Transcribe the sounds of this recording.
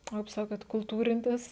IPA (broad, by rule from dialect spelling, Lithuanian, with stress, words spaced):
oː kɐɪp ˈsɑːkoːt kʊlˠˈtuːrʲɪnʲtʲɪs